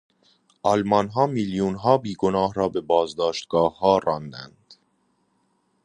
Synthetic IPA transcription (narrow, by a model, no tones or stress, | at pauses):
ʔɒlmɒnɦɒːmiljuːnɦɒːbiːɡonɒːhɾɒːbe̞bɒːzd̪ɒːʃt̪ɡ̥ɒːhːɒːɾɒːnd̪æ̰nd̪̥